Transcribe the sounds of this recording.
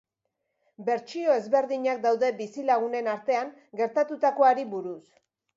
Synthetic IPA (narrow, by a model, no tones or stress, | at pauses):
be̞ɾt͡ʃio̞e̞zβe̞ɾðiɲak̚d̪awðe̞bisilaɣ̞une̞naɾt̪e̞aŋ | ɡe̞ɾt̪at̪ut̪ako̞aɾiβuɾus